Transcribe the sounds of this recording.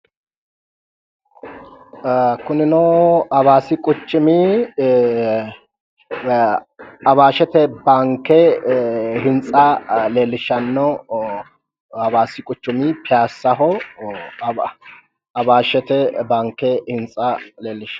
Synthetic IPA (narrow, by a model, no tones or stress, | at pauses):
kʊnɪnɔɐβaːsɪkʼʊt͡ʃːɪmi | ɐbaːʃɛt̪ɛbaŋkːɛ | ɦɪnt͡sʼɐleːlːɪʃːɐnːɔ | ɐbaːsɪkʼʊt͡ʃːʊmipɪjaːsːɐɦɔ | ɐbaːʃɛt̪ɛbaŋkːɛhɪnt͡sʼːɐleːlːɪʃɐ